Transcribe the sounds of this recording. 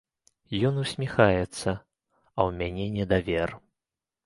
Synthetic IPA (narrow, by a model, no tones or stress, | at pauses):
jɔnusʲmʲixajɛt̪sːɐ | ɐwmʲanʲɛnʲɛd̪avʲɛr